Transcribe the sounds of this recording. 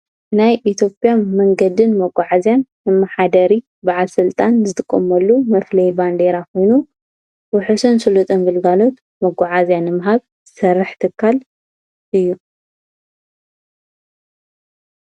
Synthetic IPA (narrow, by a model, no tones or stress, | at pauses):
najʔit̪ʰjo̞pʼjanmɐŋɡɐd̪ɨnmɐɡʷʼːaʕazjanːɨmːɐħad̪ɐɾi | baʕalsɨlt̪ʼanzɨt̪ʼɨkʼːɐmɐlːumɐflɐjband̪eɾakʰo̞jnu | wʊħusɐnsɨlut̪ʼɐnbɨlɡalo̞t̪ | mɐɡʷʼaʕazjanɨmɦaβ | ɨsɐrːɨħt̪ʰɨkʰːal | ʔɨjːu